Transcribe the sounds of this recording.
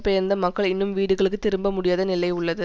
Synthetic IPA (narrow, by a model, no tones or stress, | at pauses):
pɛjɐɾnd̪ɐmɐkːɐɭɪnːɯmʋiːɽɯɣɐɭɯkːɯt̪ːɪɾɯmbɐmʊɽɪjaːðɐnɪlɐɪʊɭːɐðɯ